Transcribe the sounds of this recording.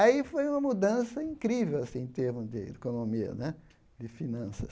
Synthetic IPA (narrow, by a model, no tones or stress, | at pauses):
aifojũmɐmud̪ɐ̃sɐĩkɾivewasĩẽt̪eɾmʊzd̪ɪekonomiɐ̰nɛ | d̪ɪfinɐ̃sɐs